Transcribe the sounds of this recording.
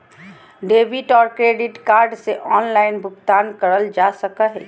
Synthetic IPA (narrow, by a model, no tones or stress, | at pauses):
ɖeːbɪʈɔːɾkɾeːɖɪʈkaːɾɖseʔɔːnlaːɪnbʱʊkt̪aːnkəɾəld͡ʒaːsəkaɦɛ̰ː